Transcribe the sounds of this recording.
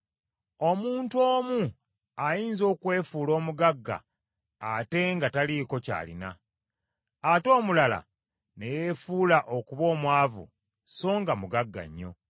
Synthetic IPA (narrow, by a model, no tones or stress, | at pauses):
o̞muːntoːmu | ajiːnzo̞ːkwe̞ːfuːlo̞ːmuɡaɡːa̰ː | te̞ŋɡataliko̞ca̰ːlḭna | to̞ːmulala̰ | ne̞jefuːlaʔo̞kuβo̞ːmwaːvṵ | so̞ːŋɡamuɡaɡːa̰ɲːo̞̰